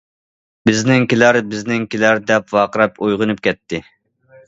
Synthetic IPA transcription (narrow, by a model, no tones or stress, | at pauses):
bɪznɪŋkʲilæɾbɪznɪŋkʲilæɾd̪ɛpvɑːqəɾɛpojʁʊnɨp̚kʲʰɛt̪ʰːɪ